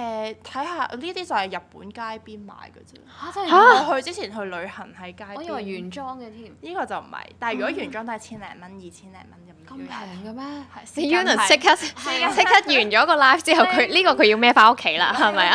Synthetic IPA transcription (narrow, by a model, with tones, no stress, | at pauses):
ʔɛː˨˧t̪ʰɐ˨˥jhaː˧ʔliː˥t̪iː˥t͡sɐ˨˩whɐ˨˩jɐ˨t̚pːṵː˨˥nkaː˥jpiː˥nma̰ː˨˧jkə˧t͡sɛ˥˧˥a˨˧hɵ˧t͡siː˥t͡sʰiː˨˩nɦɵ˧ɥlɵ˨˧ɥhɐ˨˩nhɐ˨˥jkaː˥jjyː˨˩nt͡ʃɔː˥ŋɛ˧t̪ʰi˥niː˥kɔː˧t͡sɐ˨˩wm̩˨˩hɐ̰˨˩jt̪aː˨˩jyː˨kɔ˨˧˥jyː˨˩nt͡ʃɔː˥ŋt̪oː˥˨˩t͡sʰiː˥nlɛ̰ː˨˩ŋmɐ˥njiː˨˩t͡sʰiː˥nlɛ̰ː˨˩ŋmɐ˥nkɐ˧m˧ɛ˧˨˩ŋɡɐ˧mɛ˥ɐ˨si˧juː˥nɐ˨˩sɪ˥kʰɐ˥t̚sʰɪ˥kʰːɐ˥t̚jyː˨˩nt͡ʃɔː˨˥kɔː˧laː˥ft͡siː˥hɐ˨˩wkʰɵ˨˧liː˥kɔː˧kʰɵ˨˧ɥji˧wmɛː˥faː˧˥o˥kʰːe˨˧˥jla̰ː˧ɦɐ˨jmɐ˨˧ja˧